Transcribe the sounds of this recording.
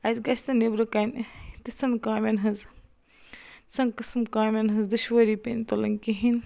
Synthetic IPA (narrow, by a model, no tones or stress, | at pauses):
ɐzɡɐsʲt̪ɐnebɾɨkɐnt̪it͡sɐnkaːmʲenɦɐz | t͡sɐnkɨsmkaːmʲenɦɨzd̪ɨʃʋɐɾipent̪olɐŋkiɦin